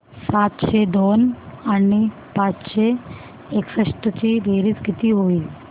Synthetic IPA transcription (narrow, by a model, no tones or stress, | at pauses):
sat̪ʃed̪onani | pãt͡ʃʃe | eksəʃʈət͡ɕiɾeːɾit̪ɡit̪iɦoːi